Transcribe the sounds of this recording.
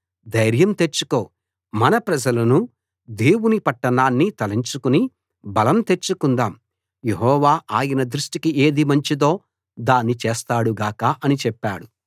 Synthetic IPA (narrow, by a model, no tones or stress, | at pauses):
d̪ɐjɾjɐmt̪e̞t͡ʃːuko̞ː | mɐnɐpɾɐd͡ʒɐlɐnu | d̪e̞ːwunipɐʈːɐnaːnːit̪ɐliɲt͡ʃukuni | bɐlɐmt̪e̞t͡ʃːukund̪aːm | jeɦɔːʋaːʔaːjɐnɐd̪ɾuʂʈikiʔe̞ːd̪imɐɲt͡ʃid̪o̞ː | d̪aːnːit͡ʃeːst̪aːɽuɡaːkaːʔɐnit͡ʃɛpːaːɽu